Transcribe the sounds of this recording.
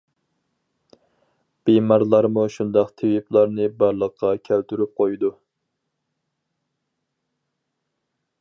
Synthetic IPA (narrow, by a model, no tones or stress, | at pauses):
b̥ejmɑɾlˠɑɾmuʃund̪ɑqt̪ʰewiplˠɑɾnɨbɑɾlˠəqʰːɑkʲʰælt̪ʰyɾyp̚qʰojd̪u